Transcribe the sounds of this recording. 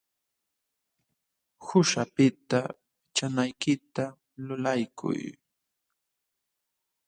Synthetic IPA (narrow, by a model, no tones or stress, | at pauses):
hʊʃapɪt̪a | t͡ʃanajkɪt̪a | lʊlajkʰʊ̰j